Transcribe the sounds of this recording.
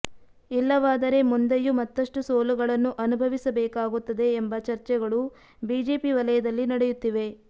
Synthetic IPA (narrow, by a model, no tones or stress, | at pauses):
ilːɐʋaːd̪ɐɾe̞mund̪ɐjumɐt̪ːɐʂʈusoːluɡɐɭɐnːuʔɐnubʱɐʋisɐbɛːkaːɡut̪ːɐd̪e̞ːmbɐt͡ʃɐɾt͡ʃɛɡɐɭu | biːd͡ʒe̞ːpiʋɐlɐjɐd̪ɐlːinɐɽɛjut̪ːiʋe̞